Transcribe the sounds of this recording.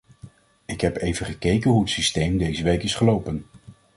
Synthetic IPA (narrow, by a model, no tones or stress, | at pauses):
ɪkɦɛpejvənχəkejkənɦuətsistejmdejzəʋejkɪsχəlowpən